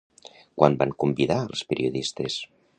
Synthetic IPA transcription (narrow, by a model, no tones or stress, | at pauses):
kwʔambaŋkumbiða̰lˠspeɾiuðist̪es